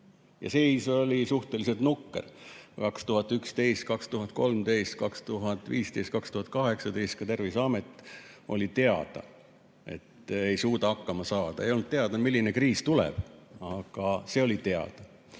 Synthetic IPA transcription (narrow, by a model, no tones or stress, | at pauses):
jɑ̰siso̞lʲisuht̪e̞lise̞lt̪nukːe̞̰rkɑkst̪uɦɑt̪ːˑykst̪e̞jst̪̚kɑkst̪uɦɑt̪̚ko̞lmt̪e̞jst̪̚kɑkst̪uɦɑt̪ːˑviːst̪e̞jst̪̚kɑkst̪uhɑt̪̚ˑkɑɦe̞ksɑt̪e̞jst̪̚kɑt̪e̞rvisɑme̞t̪ːˑo̞̰lʲit̪e̞ɑ̰d̪̥ɑ̰ | e̞̰t̪ːe̞jsuːt̪ɑɑkːɑmɑsɑːd̪̥ɑejolnd̪̚t̪eɑd̪̥ɑmilːinekriːst̪ulɛ̰b̥ɑɡ̥ɑse̞o̞lʲit̪e̞ɑ̰d̪̥ɑ